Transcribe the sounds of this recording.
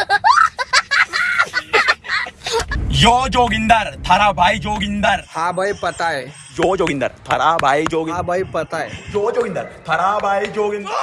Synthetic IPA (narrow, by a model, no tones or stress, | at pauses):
joːd͡ʒoːɡɪnd̪ɐɾt̪ʰɐɾabɐjd͡ʒoːɡɪnd̪ɐɾhaːbɐjpɐt̪aj | joːd͡ʒɔːɡɪnd̪ɐ̰ɾt̪ʰɐɾabajd͡ʒoːɡɪbɐjpɐt̪aejoːd͡ʒɔːɡɪnd̪ɐɾt̪ʰɐɾaːbajd͡ʒoːɡɪn